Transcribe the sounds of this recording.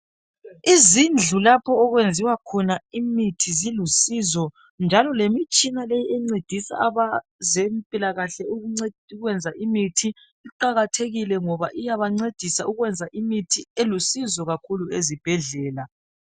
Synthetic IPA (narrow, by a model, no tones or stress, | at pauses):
izind͡ɮʱulapʰɔːɣwend͡zʱiwakʰɔnaimitʰizilusizɔ | nd͡ʒʱalɔlemit͡ʃʼinalejiɛŋ͡ǀed̥ʱisa̰aβazempʼilaɣaɬɛuɣuŋ͡ǀeuɣwɛnd͡zʱaʔimitʰi | iǃaɣatʰeɣilɛŋɔβa̰ʔijaβaŋ͡ǀed̥ʱisauɣwɛnd͡zʱaʔimitʰielusizɔɣakʰuluezib̥ʱɛɮɛːla